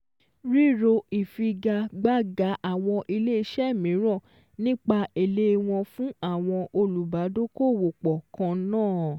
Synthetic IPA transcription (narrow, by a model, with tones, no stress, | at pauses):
ɾi˦ɾo˧i˨fi˧ɡa˧ɡ͡ba˦˨ɡa˨˦ʔa˨w̃ɔ̃˧ʔi˧le˦i˧ʃɛ˦˨mĩ˨˦ɾɔ̃˦˨ | nĩ˦k͡pa˧e˨le˦˧w̃ɔ̃˧fũ˦a˦˨w̃ɔ̃˧ʔo˧lu˨ba˨˦do˦ko˦˨wo˨k͡pɔ˨kã˧nãː˦˨